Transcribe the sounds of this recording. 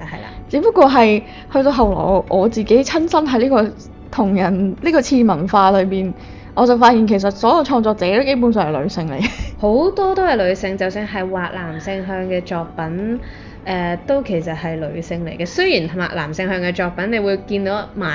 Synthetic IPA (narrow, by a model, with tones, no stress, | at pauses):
hɐ̰˨jla̰˧˨t͡siː˨˥pɐ˥kːwɔː˧ɦɐ˨j | hɵ˧ɥt̪o˧wɦɐ˨wlɔ̰ː˨˩wʔɔː˨˧t͡siː˨ke˨˥jt͡sʰɐ˥nsɐ˥nɦɐ˨˥jliː˥kɔː˧ | t̪ʰʊ˨˩ŋjɐ˨˩nliː˥kɔː˧t͡sʰiː˧mɐ˨˩nfaː˧lɵ˨˧ɥpiː˨˩n | ʔɔː˨˧t͡sɐ˨wfaː˧t̚jiː˨˩nkʰe˨˩js̬ɐ˨t̚sɔː˨˥jɐ˨˧wt͡ʃʰɔː˧ŋt͡sɔː˧k̚t͡sɛː˨˥t̪o˥ke˥jp̬uː˨˥ns̬œː˨ŋhɐ˨˩lɵ̰˨˧ɥsɪ˧ŋlḛ˨˩jho˨˥wt̪ɔː˥t̪o˥hɐ˨jlɵ˨˧ɥsɪ˧ŋt͡sɐ˨wsɪ˧ŋɦɐ˨jwaː˨˩k̚laː˨˩msɪ˧ŋɦœː˧ŋkɛː˧t͡ʃɔː˨˧k̚pɐ˨˥n | ʔɛː˨˩t̪o˥wkʰe˨˩jsɐ˨t̚hɐ˨jlɵ˨˧ɥsɪ˧ŋle˨˩jkɛ˧sɵ˥ɥjiː˨˩nt̪ʰʊ˨˩ma̰ː˨˩la̰ː˨˩msɪ˧ŋhœː˧ŋkɛ˧t͡ʃɔː˨˧k̚pɐ˨˥ne˨˧jwuː˨˧jkiː˧nt̪o˨˥maː˨